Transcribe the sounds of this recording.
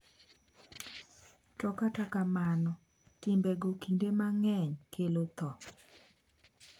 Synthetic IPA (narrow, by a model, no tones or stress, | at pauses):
tɔkatakamanɔ | tɪmbɛɡokindemaŋɛɲkʰelot̪ɔ